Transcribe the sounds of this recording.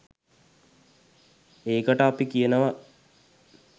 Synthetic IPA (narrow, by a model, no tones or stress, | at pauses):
eːkəʈəapikijənəʋa